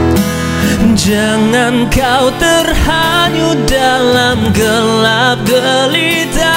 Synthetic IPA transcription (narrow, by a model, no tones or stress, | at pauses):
d͡ʒa | ŋankawt̪ərha | ɲu | dalamɡəlap̚ɡəli | t̪a